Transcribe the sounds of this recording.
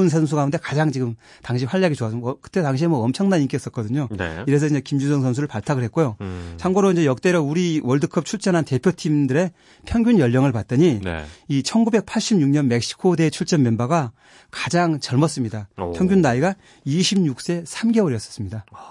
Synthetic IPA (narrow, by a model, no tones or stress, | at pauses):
nsʰʌns̬ʰuɡaunde̞kad͡ʑaŋt͡ɕiɡɯm | taŋɕʰiɸwaʎːaɡit͡ɕoas͈ʌkɯ̥t͈etaŋɕʰiemwʌʌmt͡ɕʰʌŋnanik͈es͈ʌt̚k͈ʌdɯɲo̰iɾe̞sʰʌind͡ʑekimd͡ʑusʰʌŋsʰʌnsʰuɾɯɭpaɭtʰaɡɯɭɦet̚k͈ojosʰaŋɡoɾoind͡ʑejʌk̚t͈e̞ɾʌuɾiwʌɭdɯkʰʌp̚t͡ɕʰuɭt͡ɕ͈ʌnɦante̞pʰjotʰimdɯɾe̞ | pʰjʌŋɡjunjʌʎːʌŋɯɭpat̚t͈ʌɲin̰it͡ɕʰʌnɡube̞k̚pʰaɭɕ͈imɲuŋɲʌnme̞k̚ɕ͈i̥kʰode̞t͡ɕʰuɭt͡ɕ͈ʌnmjʌnbaɡa | kḁd͡ʑaŋt͡ɕʌɭmʌs͈ɯmɲidapʰjʌŋɡʲjunːaiɡa | iɕʰimɲuk̚s͈e̞sʰamɡe̞oɾjʌs͈ʌ̥s͈ɯmɲida